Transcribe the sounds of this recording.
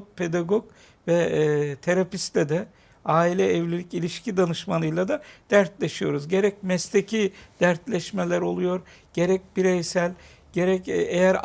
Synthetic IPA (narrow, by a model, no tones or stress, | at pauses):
pʰe̞d̪aɡok | vɛt̪ʰe̞ɾapist̪lɛd̪ɛ | aːilʲɛːvlʲilʲicilʲiʃcʰid̪anɯʃmanˠɯjlˠad̪ad̪̥æɾt̪lʲeʃijo̞ɾuzɟe̞ɾɛcmɛst̪ʰecʰid̪̥æɾt̪lʲɛʃmelʲæɾo̞lˠujo̞ɾ | ɟ̥e̞ɾɛc̚biɾejsælʲ | ɟ̥e̞ɾɛcejæɾ